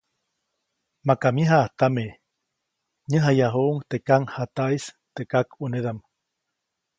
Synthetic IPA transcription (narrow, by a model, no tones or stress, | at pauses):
makamiɦaːht̪ame | ɲəɦajaɦoʔuŋt̪ekaŋhat̪ais | t̪ekakuneðam